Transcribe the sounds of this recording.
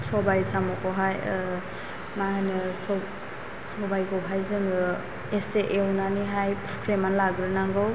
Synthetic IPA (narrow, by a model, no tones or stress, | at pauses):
sɔbajsamɔkɔɦaj | maɦajnɯsɔ | sɔbajɡɔɦajzɯŋɯ | eseʔewnaniɦajpʰkʰɾemanlaɡɾɯnaŋɡɯw